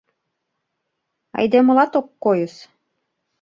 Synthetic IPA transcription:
ɑ̰jd̪emɤ̆lɑt̪okːojɤ̆s

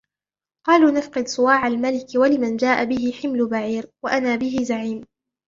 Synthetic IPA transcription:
qɑːluːnafqɨd̪sˤʊwaːʕalmalɪkwalɪmand͡ʒaːʔabɪɦɪħɪmlʊbaʕiːɾwaʔanaːbɪɦɪzaʕiːm

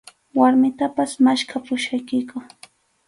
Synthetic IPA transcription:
waɾmɪt̪apasmaʃkʰapʊʃajkɪjkʊ

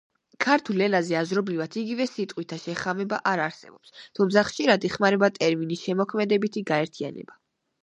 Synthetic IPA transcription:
kʰaɾt̪ʰulɛlazɛazɾɔbɾivat̪ʰiɡivɛsit̪ʼqʼwit̪ʰaʃɛχamɛbaʔaɾaɾsɛ̰bɔpst̪ʰumt̪sʰaχʃiɾad̪iχmaɾɛbat̪ʼɛɾminisʃɛmɔkʰmɛd̪ɛbit̪ʰiɡaɛɾt̪ʰia̰nɛ̰ba

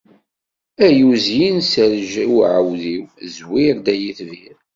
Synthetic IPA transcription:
æjuzjinsəɾʒwʕəwðiwzwiɾd̪æjiθviɾ

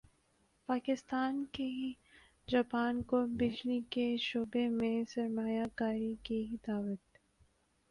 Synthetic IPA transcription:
paːkɪst̪aːnke | d͡ʒaːpaːnkobɪd͡ʒlikeʃoːbemẽsɐɾmaːjakaːɾikid̪aːwət̪

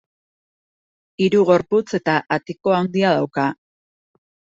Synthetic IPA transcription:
iɾuɣo̞ɾput͡se̞t̪aʔat̪iko̞and̪iaðawka

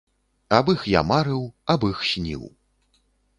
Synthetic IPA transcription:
abɨxja̰maɾɨwabɨxsʲnʲḭw

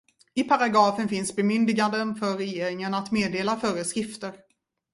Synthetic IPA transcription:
ɪpʰaɾaɡɾɑːfənfɪnsbɛmʏnd̪ɪɡand̪ənfœːɛjeːɾɪŋənat̪meːd̪eːlafœːɾəskɾɪft̪əɾ

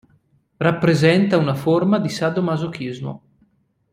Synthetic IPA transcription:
rapːɾezɛnt̪aunaformad̪isad̪omazok̟izmo̰

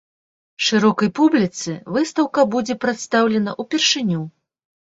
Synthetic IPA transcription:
ʂɨɾɔkɐjpublʲit̪sɨvɨst̪ɐwkɐbud͡zʲɛpɾɛt̪st̪awlʲɛnɐʔupʲɛrʂɨnʲu

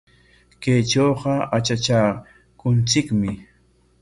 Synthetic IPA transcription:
kejt͡ʃoːɢɑat͡ʃat͡ʃa | kʊnt͡sɪkmɪ

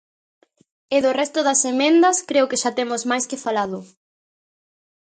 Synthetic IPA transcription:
eðorɛst̪ʊðɐsemẽnd̪ɐskɾeʊkeʃat̪emʊzmajskɪfalaðʊ

